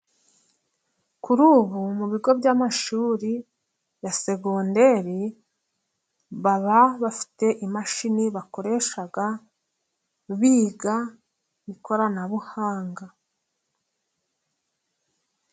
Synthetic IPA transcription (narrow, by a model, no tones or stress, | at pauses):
kuɾuːβumuβiɡo̞bɟamaʃuːɾi | jase̞ɡonde̞ɾi | βaβaβafi̥te̞ʔimaʃiniβako̞ɾe̞ʃaɡa | βiːɡa | βiko̞ɾanaβuhaːŋɡa